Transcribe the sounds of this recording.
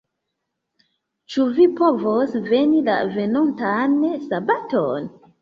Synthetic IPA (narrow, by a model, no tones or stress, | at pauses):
t͡ʃuvipovosve̞nila̰ve̞nontansabaton